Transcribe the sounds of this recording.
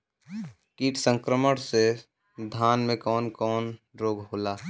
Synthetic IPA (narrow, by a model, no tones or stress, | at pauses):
kiːʈʰsə̃ŋkɾəməɽse | d̪ʱaːnmẽkɔːnkɔːnɾoːɡɦoːlaː